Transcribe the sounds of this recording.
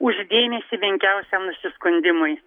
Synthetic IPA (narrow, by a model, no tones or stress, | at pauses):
ʊʒd̪ʲeːmʲɛsʲiʋʲɪŋʲkʲɛʊsʲɛmnʊsʲɪskʊnʲd̪ʲɪmʊj